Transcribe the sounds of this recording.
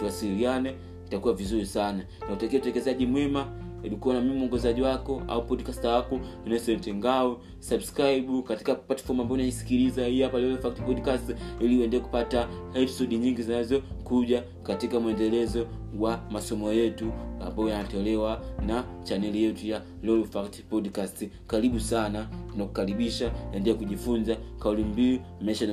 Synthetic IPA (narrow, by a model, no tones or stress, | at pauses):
tuasilianɛ | nitakuwavizuɾisana | nautakiɛtɛkɛzaʄimwɛmaɛɗukuɔnamimimuɔŋɡɛzaʄiwakɔa̰upɔdkastakɔnɛsɛntɛŋɡaɔ | sabuskɾaiɓukatikapatḁfɔmambaɔnanisi̥kiɾizaijapalɛlɛfak̚tpɔdkastiliuɛndɛlɛku̥patahɛpsɔɗiɲiŋɡizinaazɔkuʄa | katikamuɛndɛlɛzɔwamasɔmɔjɛtua̰mbaɔjaatɔlɛwanat͡ʃanɛlijɛtuja | lɔlfakti̥pɔdkasti | kaɾiɓusananaku̥kaɾiɓiʃaɛndɛlɛkuʄifunzakaulimbiumɛʃan